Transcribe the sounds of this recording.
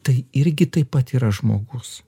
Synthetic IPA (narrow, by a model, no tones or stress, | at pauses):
t̪ɐɪɪɾʲɡʲɪt̪ɐɪpɐt̪iːɾɐʒmo̰ːɡʊs